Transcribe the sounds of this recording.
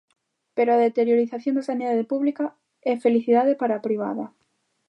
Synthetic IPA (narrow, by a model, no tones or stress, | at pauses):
peɾoaðet̪eɾjoɾiθaθjond̪asaniðaðepuβlika | ɛfeliθiðaðepaɾaːpɾiβ̞a̰ðɐ